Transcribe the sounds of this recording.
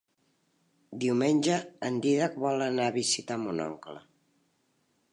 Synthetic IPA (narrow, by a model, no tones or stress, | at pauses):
d̪iwmenʲʒəːnd̪iðak̚βɔlənaβizit̪amunɔ̰ŋklə̰